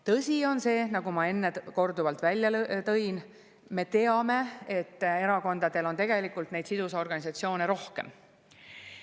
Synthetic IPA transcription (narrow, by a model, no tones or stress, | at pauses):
t̪ɤsʲio̞nse̞ːnɑɡ̥umɑe̞nːeko̞rd̪uvɑlt̪ˑvælʲjɑt̪ɤ̞jn | me̞t̪e̞ɑme̞e̞t̪ːe̞ɾɑko̞nd̪ɑd̪̥e̞lo̞nt̪e̞ɡ̥e̞likːˑult̪ne̞jd̪̥sid̪usɑo̞rɡ̥ɑnisɑt̪sio̞ːne̞ɾo̞hke̞̰m